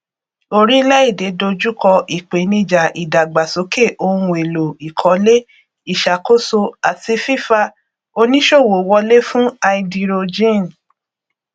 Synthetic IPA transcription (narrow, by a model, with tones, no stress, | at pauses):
o˧ɾi˦lɛ˦i˦˨de˨˦do˧d͡ʒu˦kɔ˧ʔi˨k͡pe˨˦nĩ˧d͡ʒa˨ʔi˨da˨ɡ͡ba˨so˨˦ke˦˨ʔo˧ũ˧˨e˨lo˨i˨kʰɔ˨˦le˦ | i˦˨ʃa˨ko˦so˧a˨ti˧fi˦fa˧ | o˧nĩ˦ʃo˦˨wo˨wɔ˧le˦fũ˦a˧i˧di˧ɾo˧d͡ʒĩ˦˨n